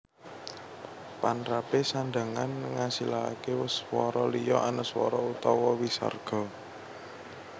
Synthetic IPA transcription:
panɾapesaɳɖa̤ŋanŋasila̰kewəswɔɾɔlijɔʔanəswɔ̰ɾɔut̪ɔwɔwisa̰rɡ̥ɔ̤

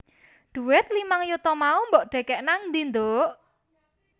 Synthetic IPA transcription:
ɖ̪̥ṳwɪt̪̚limaŋjut̪ɔmaumbɔʔɖ̥ɛ̤kɛʔnaŋnd̪ind̪oʔ

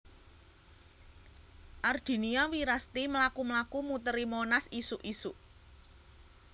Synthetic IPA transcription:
ʔard̪̥i̤niawiɾast̪imlakumlakumut̪əɾimonasisuʔisuʔ

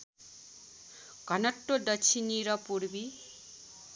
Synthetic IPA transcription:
kʌnʌʈːodʌt͡ʃʰiniɾʌpuɽbi

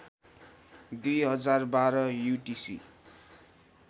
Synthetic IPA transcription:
d̪ujɦʌd͡zarbaɾʌjuʈisḭ

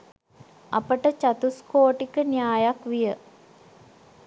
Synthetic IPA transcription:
apəʈət͡ʃat̪uskoːʈikənijaːjakʋijə

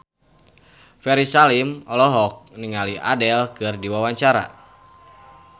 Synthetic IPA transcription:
fɛɾisalimɔlɔɦɔk̚niŋaliʔa̰dɛlkɨrdiwawaɲt͡ʃaɾa̰

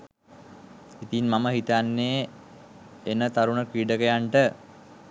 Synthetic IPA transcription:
it̪inmaməɦit̪anːeː | enət̪aɾunəkɾiːɖəkəjaɳʈə

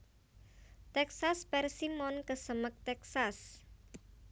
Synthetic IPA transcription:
t̪ɛksaspɛrsimɔnkəsəmək̚t̪ɛksas

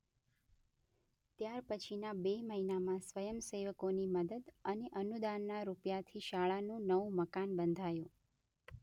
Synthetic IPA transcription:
t̪jaɾpət͡ʃʰinabeməɦinamãsʋəjəmseʋəkoniməd̪əd̪əneʔənud̪anːaɾupjat̪ʰiʃaɭanũnəʋũməkanbənd̪ʱajũ

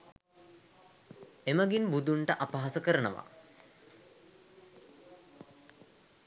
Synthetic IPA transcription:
eməɡinbud̪uɳʈəʔapaɦasəkəɾənəʋa̰

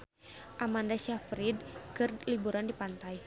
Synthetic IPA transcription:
ʔamandaʃafɾidkɨrlibuɾandipant̪aj

